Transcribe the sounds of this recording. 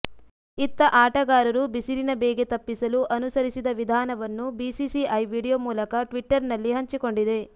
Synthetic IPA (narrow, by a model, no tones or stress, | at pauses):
it̪ːɐʔaːʈɐɡaːɾɐɾubisiɾinɐbeːɡe̞t̪ɐpːisɐluʔɐnusɐɾisid̪ɐʋid̪ʱaːnɐʋɐnːubiːsisiʔɐjʋiːɽijomuːlɐkɐʈʋiʈːɐɾnɐlːiɦɐɲt͡ʃiko̞ɳɖid̪e̞